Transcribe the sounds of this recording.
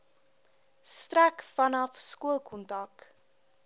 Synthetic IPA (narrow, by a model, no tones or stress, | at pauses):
strækfɐnɐfskuəlˠkʰɔntɐk